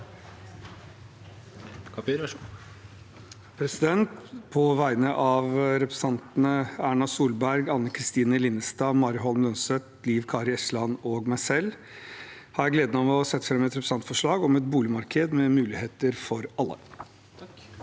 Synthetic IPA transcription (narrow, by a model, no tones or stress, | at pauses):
pʰɾɛsɪd̪ɛnt̪pʰɔʋæɪnəʔɑʋɾɛpɾɛsɑnt̪nəæːɳɑsuːlbæɾɡɑnːəkʰɾɪst̪iːnəlɪnːəst̪ɑːmɑɾɦɔlmlœnsət̪liːʋkʰɑːɾɪɛslɑnoːɡmæɪsɛlː | hɑɾjæɪɡleːd̪ənɑmɔsɛt̪ːə̥fɾɑmɛt̪ɾɛpɾsɑnt̪fɔʂɭɑːɡɔmɛt̪̚buːlɪmɑɾkʰəd̪mɛmʉːlɪheːt̪əɾfɔɾɑlːə̰